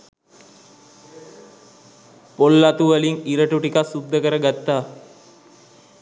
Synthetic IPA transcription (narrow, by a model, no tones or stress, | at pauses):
polːat̪uʋəliŋiɾəʈuʈikasud̪ʱːəkəɾəɡat̪ːaː